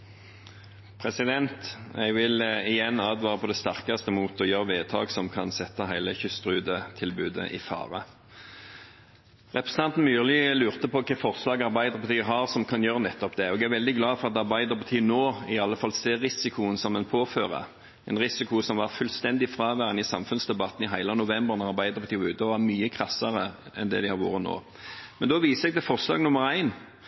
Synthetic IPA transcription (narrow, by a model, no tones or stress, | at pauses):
pʰʁɛsɪd̪ɛnt̪ɛ̰ɡʋɪlɪjɛnːɑːd̪ʋɑːʁəpʰɔd̪ɛst̪æʁkɑst̪əmuːt̪ɔjøːʁəʋeːt̪ʰɑ̰ːɡsɔmkʰɑnsɛt̪ːɑɦæɪləçʏst̪ɾʉːd̪ət̪ʰɪlbʉːd̪ə̰ʔɪ̰fɑ̰ːʁə̰ | ʁɛpɾʁɛsən̩ɑnt̪n̩myːʁlɪlʉːʁt̪əpɔkʰɛːfɔʁslɑːɡɑʁbæɪd̪əʁpɑt̪iːəɦɑʁsɔmkʰɑnjøːʁənɛt̪ːɔpd̪ɛoːɡæɾʋɛld̪ɪɡlɑːfɔʁɑt̪ɑʁbɑɪd̪əʁpɑt̪ʰiːənoːɪɑlːəfɑlseːɾːɪsɪkʰʊənsɔmɛnpʰoːføːʁə̰ | ɛɪnʁɪsɪkʊsɔmʋɑʁfʉlst̪ɛnd̪ɪfɾɑːʋæːʁənɪsɑmfʉnsd̪ɛbɑt̪n̩ɪɦæɪlənʊʋɛmbəʁnɑʁɑɾbæɪd̪əpʰɑt̪iːʉːt̪əɔʋɑmyːəkʰʁɑsːəɾəɛ̰nd̪ɛ̰d̪ɪhɑɾʋṵːɾəno̰ː | mɛnd̪oːʋiːsəɛɡ̚d̪ɛfɔʁslɑ̰ːɡnʊməʁæɪn